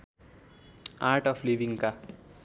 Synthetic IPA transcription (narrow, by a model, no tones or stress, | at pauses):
aɾʈʌpʰlibiŋka